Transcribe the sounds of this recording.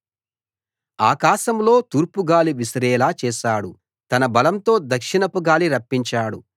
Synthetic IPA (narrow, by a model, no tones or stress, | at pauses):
a̰ːkaːʃɐmlo̞ːt̪uːɾpuɡaːliʋisɾɛːlaːt͡ʃɛːʃaːɽu | t̪ɐnɐbɐlɐmt̪o̞ːd̪ɐkʂinɐpuɡaːliɾɐpːiɲt͡ʃaːɽu